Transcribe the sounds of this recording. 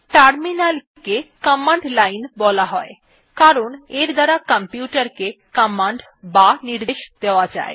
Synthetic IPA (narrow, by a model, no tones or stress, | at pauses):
ʈaɾminal | kekɔmaɳɖlainbɔlaɦɔe | kaɾoneɾd̪aɾakampjuʈaɾkekamaɳɖ | baniɾd̪eʃd̪eoad͡ʑa̰e